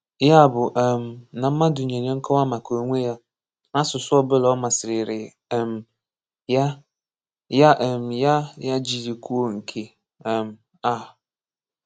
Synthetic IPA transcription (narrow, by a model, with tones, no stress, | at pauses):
ja˦˨bʊ˨ʔɛ̃˨mnã˨m̩ː˦ã˦dʊ˨ɲ˨ã˨nɪ̃˦ɛ̃˦ŋ̩˦kʰɔ˦wa˦mã˨kʰo˨ŋʷ˦e˦ja˦ | nã˦sʊ˨sʊ˦ɔ˦bɪ˦lɔ˦mã˨sɪ˨ɾɪ˨ɾɪ˨ɛ˨m | ja˦ | ja˦ʔɛ˨mja˦ja˦d͡ʑi˨di˨kʰu˦o˦ŋ̩˨kʰe˨ | ɛ̃˨m | a˨